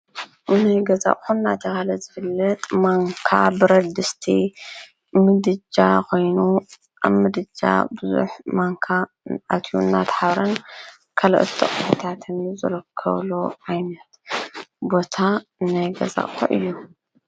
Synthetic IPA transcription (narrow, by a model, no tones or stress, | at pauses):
najɡɐza̰χʼxunːa̰t̪ʰɐkalɐzɨfɨlːɐt̪ʼmaŋkʰa̰bɨɾɐd̪ɨst̪ʰi | mɨd̪ɨd͡ʒakʰo̞jnu | ʔa̰βmɨd̪ɨd͡ʒa̰bɨzṵħmaŋkʰa | at̪ʰṵnːat̪ʰħaβɾɐn | kʰɐlɐ̰ʔt̪ʰɐχʼɨfɐt̪ʰat̪ʰɨnzɐlɐkʰːɐ̰βloʕajnɐt̪bo̞t̪ʰanajɡɐ̰za̰ʔʼxṵʔɨ̰jːu